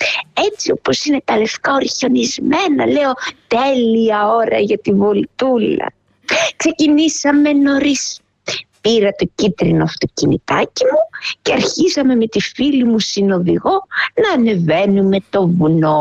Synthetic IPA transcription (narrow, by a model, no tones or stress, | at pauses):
e̞t͡sio̞po̞sine̞t̪ɐle̞fk̪ɐo̞ɾçonizme̞nɐ̰le̞o̞t̪e̞liɐo̞ɾɐʝɐt̪ivo̞lt̪ulɐ̰ | kse̞cinisɐme̞no̞ɾis | piɾɐt̪o̞cit̪ɾinoɐft̪o̞cinḭt̪ɐcimuceɐɾçisɐme̞me̞t̪ifilimusino̞ðiɣo̞nɐːne̞ve̞nume̞t̪o̞vuno̞